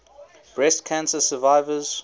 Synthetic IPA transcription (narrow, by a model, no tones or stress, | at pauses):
b̥ɹɛstkʰãnsəsəvaɪvəz̥